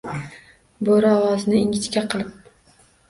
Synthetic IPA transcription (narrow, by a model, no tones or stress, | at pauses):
boɾaːvaznɪɪŋʲɪt̪kʲaqʰɨlˠɪp̚